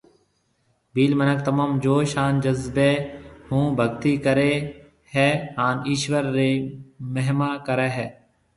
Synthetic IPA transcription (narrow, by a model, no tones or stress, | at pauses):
biːlmənək̚t̪əmaːmd͡ʒoːʃaːnd͡ʒəzbeːhũːbʱəɡt̪iːkəɾeː | hɛːɦaːniːʃʋəɾːeːməɦmaːkəɾɛːɦɛː